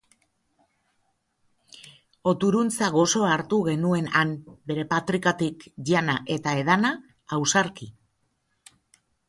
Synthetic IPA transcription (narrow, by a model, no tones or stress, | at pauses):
o̞t̪uɾunt͡saɣ̞o̞so̞aːɾt̪uɣe̞nue̞nanbe̞ɾe̞pat̪ɾikat̪ikʝanaʔe̞t̪ae̞ðanaː | wsaɾki